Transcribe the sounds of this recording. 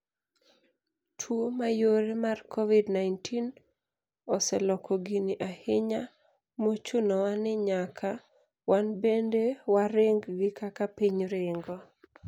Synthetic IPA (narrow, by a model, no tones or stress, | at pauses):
tʰwomajoɾemarkʰɔvidnajntʰin | ɔsɛlɔkʰɔɡiniʔaheɲa | mot͡ʃʊnɔwanɪɲakʰa | wanbendewaɾeŋɡɡɪkakapiɲɾɪŋɡɔ